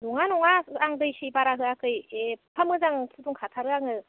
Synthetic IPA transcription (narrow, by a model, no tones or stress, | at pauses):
duŋanɔŋaaŋdɯjɕibaɾaɦɯakɯjepʰamɯzaŋpʰuduŋkʰatʰaɾɯaŋɯ